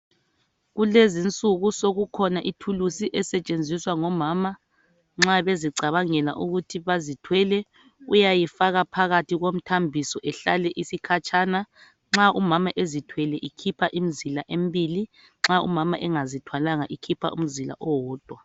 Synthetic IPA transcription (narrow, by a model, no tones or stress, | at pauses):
ɣulezint͡sʼuɣusoɣukʰɔnaʔitʰulusiʔɛsɛt͡ʃʼend͡zʱiswaŋɔmaːma | ŋ͡ǁaβeziǀaβaŋɛla̰ʔuɣutʰiβazitʰwɛlɛ | ujajifaɣapʰaɣatʰiɣom̩tʰambʱisɔʔɛɬalɛʔisikʰat͡ʃʰʼana | ŋ͡ǁaʔumamaʔezitʰwɛlɛʔikʰipʰaʔim̩zilaʔembʱili | ŋ͡ǁaṵmama̰ʔɛŋazitʰwalaŋaʔikʰipʰa̰ʔṵm̩zila̰ʔɔwɔːd̥ʱwa